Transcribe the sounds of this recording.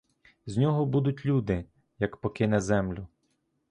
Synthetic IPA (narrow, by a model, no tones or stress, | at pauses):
znʲɔɦɔbud̪ʊtʲlʲud̪ɪ | jɐkpɔkɪnɛzɛmlʲʊ